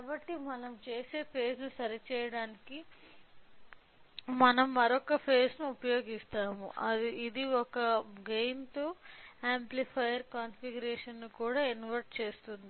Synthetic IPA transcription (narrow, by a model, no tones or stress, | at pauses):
kaːbɐʈːimɐnɐmt͡ʃe̞ːse̞ːpʰe̞ːsnusɐɾit͡ʃɛːjɐɽaːniki | mɐnɐmːɐɾɔkːɐpʰe̞ːsnuupɐjo̞ːɡist̪aːmṵʔɐd̪iid̪iɔkɐɡejnt̪oaːmplipʰɐjɐɾkaːnfiɡuɾeːʂɐnːukuːɽaːinʋɐɾʈ̚t͡ʃe̞ːst̪und̪i